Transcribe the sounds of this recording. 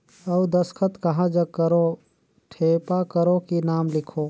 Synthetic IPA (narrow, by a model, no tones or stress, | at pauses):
ɐwd̪ɐskʰət̪kɐɦãd͡ʒɐkɐɾo | ʈʰeːpakɐɾoːkinaːmlɪkʰoː